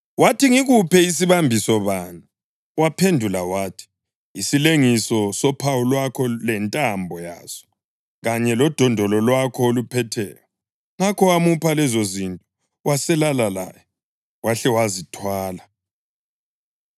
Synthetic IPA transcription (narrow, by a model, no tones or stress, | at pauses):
watʰiŋiɣupɛis̬iβambʱisɔβaːnu | wapʰendʱulawaːtʰi̥ | isileŋisɔsɔpʰawulwakʰɔlɛntʼambʱɔja̰ːz̥ɔ̥ | ɣaɲɛlɔd̥ʱɔndʱɔlɔlwakʰɔolupʰɛtʰɛ̰ːjɔ | ŋakʰɔwamupʰalɛzozintʼɔ | wasɛlalala̰jɛ | waɬɛwazitʰwaːla